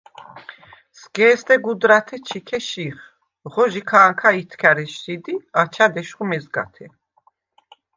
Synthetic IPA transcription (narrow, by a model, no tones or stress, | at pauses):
sɡɛːst̪ɛɡud̪ɾat̪ʰɛt͡ʃʰikʰɛʃiχ | ʁɔʒikʰaːŋkʰait̪ʰkʰaɾɛʃt̪ʰid̪iat͡ʃʰad̪ɛʃχumɛzɡa̰t̪ʰɛ